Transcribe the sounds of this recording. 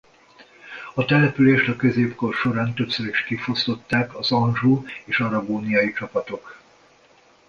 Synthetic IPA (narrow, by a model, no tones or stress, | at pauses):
ɒt̪ɛlɛpyleːʃt̪ɒkø̞zeːpkorʃo̞ɾaːnt̪øpsøɾiʃkifost̪o̞t̪ːaːkɒzɒnʒuːeːʃɒɾɒboːnijɒjit͡ʃɒpɒt̪o̞k